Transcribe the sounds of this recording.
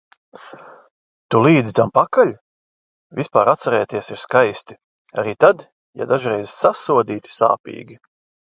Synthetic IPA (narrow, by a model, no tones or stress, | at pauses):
t̪uliːd̪zit̪ampakalʲ | vʲispa̰ːɾat̪saɾɛːjt̪iɛsiɾskajst̪i̥ | a̰ɾiːt̪ad̪ | ja̰d̪aʒɾɛjzsasuɔd̪iːt̪i̥sa̰ːpḭːɡʲi